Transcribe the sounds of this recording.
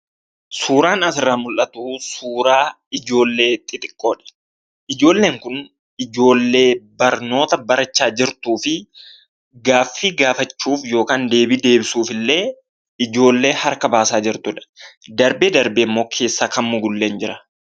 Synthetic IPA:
suːɾaːnɐsɪrːaːmʊlʔɐt̪ʊsuːɾaː | ɪd͡ʒo̞ːlːe̞ːt̪ʼːɪt̪ʼɪkʼːo̞ːᶑɛ̥ | ʔɪd͡ʒo̞ːlːe̞ːŋkʊn | ɪd͡ʒo̞ːlːe̞ːbɐɾno̞ːt̪ɐbɐɾɐt͡ʃːaːd͡ʒɪɾt̪uːfɪ | ɡaːfːiːɡaːfɐt͡ʃːuːfjo̞ːkaːnd̪e̞ːbiːd̪e̞ːbɪsuːfɪlːe̞ː | ɪd͡ʒo̞ːlːe̞ːhɐɾkɐbaːsaːd͡ʒɪɾt̪ʊᶑɐ̥d̪ɐɾbeːd̪ɐɾbeːɪmːo̞ːkʰe̞ːsːaːkɐmmʊɡʊlːeːnd͡ʒɪɾɐ̥

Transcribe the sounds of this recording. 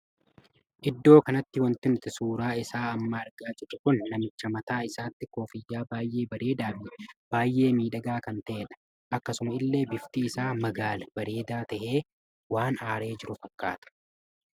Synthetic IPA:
ʔɪd̪ːo̞ːkɐnɐt̪ːɪwɐnt̪ɪnʊt̪ɪsuːɾaːɪsaːɐmːɐɐɾɡaːd͡ʒɪrːɐkʊnːɐmɪt͡ʃːɐmɐt̪aːɪsaːt̪ːɪko̞ːfɪjːaːbaːjʔe̞ːbɐɾe̞ːd̪aːfnɪb̥aːjʔe̞ːmiːᶑɐɡaːkɐnt̪ɐʔeᶑɐ̥ | ʔɐkːɐsʊmɐɪlːe̞ːbɪft̪iːɪsaːmɐɡaːlɐb̥ɐɾe̞ːd̪aːt̪ɐʔe̞ː | waːnaːɾe̞ːd͡ʒɪɾʊfɐkːa̰ːt̪ɐ̥

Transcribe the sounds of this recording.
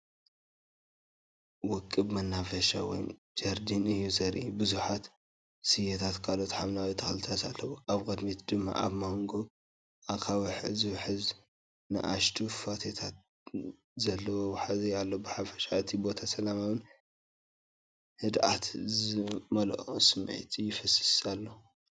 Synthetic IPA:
wɔkʼːɨbmɐnːafɐʃawɔ̰jn | d͡ʒɐɾd̪inɨjːuzɐɾʔibɨzuħat̪ | sɨjet̪ʰat̪kʰalo̞t̪ħaβnawit̪ʰɐxlɨt̪ʰasa̰lːɐwoʔaβkʼɐd̪mit̪d̪ɨmːa̰ʔa̰βmoŋɡo | ʔakʰawiħɨzɨwħɨz | nɨ̰ʔaʃt̪ʰufat̪ʰet̪ʰat̪̚ | zɐlːɐwobħazejalːobɨħafɐ̥ʃat̪ʰibo̞t̪ʰasɐlamaβɨn | hɨd̪ʔat̪zɨmɐlʔosɨmḛjt̪ʰjːɪfɐsɨ̥salːo

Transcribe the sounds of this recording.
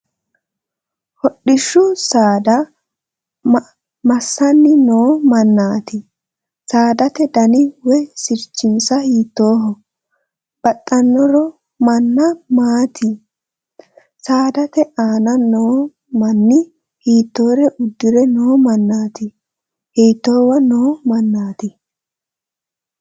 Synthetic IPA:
hɔɗːɪʃːʊsaːd̪ɐ | mɐsːɐnːɪnoːmɐnːaːt̪ɪ | saːd̪ɐt̪ɛd̪ɐnɪwɛsɪɾt͡ʃːɪnsɐhiːt̪ːo̞ːɦɔ | b̥ɐt̪ʼːɐnːɔɾɔ | mɐnːɐmaːt̪ɪ | saːd̪ɐt̪ɛʔaːnɐnoː | mɐnːɪ | hiːt̪ːo̞ːɾɛʔʊd̪ːɪɾɛnoːmɐnːaːt̪ɪ | hiːt̪ːoːwɐnoːmɐnːaːt̪ɪ

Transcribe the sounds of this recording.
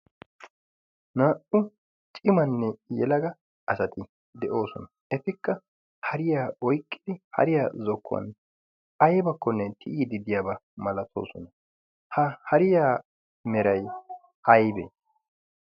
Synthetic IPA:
naːʔʊ | t͡ʃʼɪmɐnːɛjɛlɐɡɐ | ɐsɐt̪ɪ | d̪ɛʔo̞ːsɔ̰nɐ | ɛfɪkːɐ | hɐɾɪjaːɔjkʼːɪ̥d̪ɪhɐ̰ɾɪjaːzɔkʰːʊɐ̰n | ɐjbɐkːɔnːɛt̪ʰɪʔiːd̪ɪd̪ɪjaːbɐmɐlɐt̪ʰo̞̰ːsɔnɐ | hɐhɐɾɪjaː | mɛɾɐj | hɐjbḛ

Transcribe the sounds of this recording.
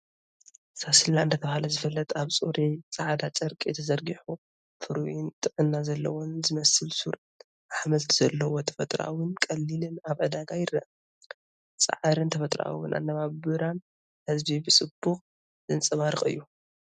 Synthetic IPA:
sasɨlːant̪ʰɐt̪ʰɐβahalɐzɨfɐlːɐt̪ʰaβt͡sʼuɾit͡sʼɐʕad̪at͡ʃʼɐɾkʼit̪ʰɐzɐɾɡiħu | fɨɾwnt̪ʼɨʕɨnːazɐlːɐ̰wonzɨmɐsɨlsuɾ | ʔaħmɐlt̪ʰiz̥ɐlːɐwot̪ʰɐ̥fɐt̪ʼɾa̰wɨnkʼɐlːilɨnaβʕɨd̪aɡajɪrɐʔ | t͡sʼɐ̰ʕaɾɨnt̪ʰɐfɐt̪ʼɾʔa̰wɨ̰nʔa̰nːɐβabɨɾan | hɨzbibɨsʼɨb̥ːuxʼ | z̥ɨnt͡sʼɐβaɾɨχʼɨ̰jːu

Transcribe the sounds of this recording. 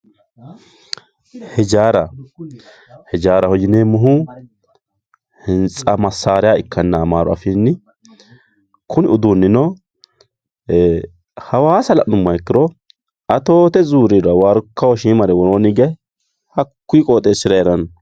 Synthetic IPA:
hɛd͡ʒaːɾɐ | hɛd͡ʒaːɾɐhɔjɪneːmʊɦʊ | hɪnt͡sʼɐmɐsːaːɾɪjaɪkːɐnːɐːmaːɾɔ̰ɐ̰fiːnːɪ | kʰʊnɪʊd̪unːɪnɔ | hɐwaːsɐlɐ̰ʔnʊmːɐjɛkːɪd̪ɔ | ʔɐt̪o̞ːt̪ɛzuːɾid̪ʊawaɾkːɐwɔʃiːmɐɾɛwɔɾoːnɪɡɛ | hɐkːiːkʼoːt̪ʼeːsɪɾɐjɛɾɐn

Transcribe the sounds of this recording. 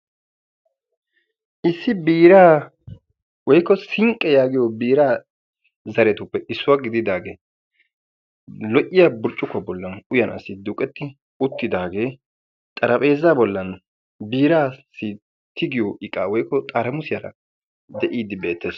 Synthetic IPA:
ʔɪsːɪbiːɾaː | wɔjkːɔsɪŋkʼːɛjaːɡɪjobiːɾaː | zɐɾɛt̪ʊpːɛʔɪsːʊwaɡɪd̪ɪd̪aːɡeː | lɔʔɪjɐbʊɾt͡ʃʼːʊkːɐbɔlːɐnʊjɐnɐ̰sːɪd̪ʊkʼːɛt̪ːɪ | ʊt̪ːɪd̪aːɡe̞ː | t̪ʼɐɾɐpʼe̞ːzaːbɔlːɐn | biːɾaːsi | t̪ɪɡɪjoʔɪkʼːaːwɔjkːɔt̪ʼaɾɐmʊsɪjɐɾɐ̰ | d̪ɛʔiːd̪ːɪbe̞ːt̪ːeːs

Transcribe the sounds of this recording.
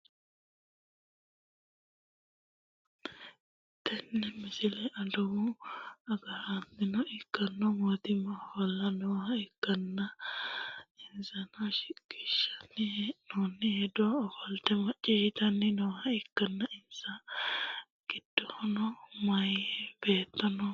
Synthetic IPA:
t̪ːɛnːɛmɪsɪlɛʔɐd̪ɔwʊɐɡɐɾanːɪnɔɪkːɐnːɔmɔt̪ɪmɐfɐlːɐnoːhɐɪkːɐnːɐ | ɪnsɐnɔʃɪɡɪʃːɐ̥nːɪnoːnːɪhɛd̪ɔɔfɔlt̪ɛmɐt͡ʃʼːɪʃɪt̪ɐnːɪnɔːhɐɪkːɐnːɐɪnsɐ | ɡ̥ɪd̪̥ːɔhɔnɔmɐjɛb̥eːt̪ːɐnɔ

